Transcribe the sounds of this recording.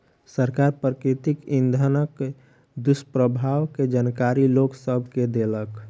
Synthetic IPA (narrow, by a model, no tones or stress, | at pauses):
səɾkaɾpɾəkɾit̪ikĩnd̪ʱənək | d̪ʊspɾəbʱaːwked͡ʒankaɾiloksəbʱked̪elək